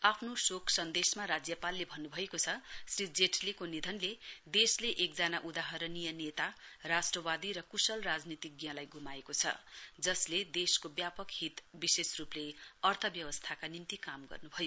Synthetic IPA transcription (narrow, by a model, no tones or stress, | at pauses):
apʰnosokʰsʌnd̪esmaɾad͡zjʌpalːebʱʌnːubʱʌekot͡sʰʌsrid͡zeʈʰlekonid̪ʱʌnled̪esleʔek̚d͡zanaʔud̪aɦʌɾʌnijʌnet̪arasʈrʌbad̪iɾʌkusʌlrad͡znit̪ik̚ɡjãlajɡʱumaekot͡sʰʌ̰d͡zʌsled̪eskobjapʌkɦit̪bisesrupleʌrt̪ʰʌbjʌbʌst̪ʰakanint̪ikamɡʌ̰rnubʱʌjo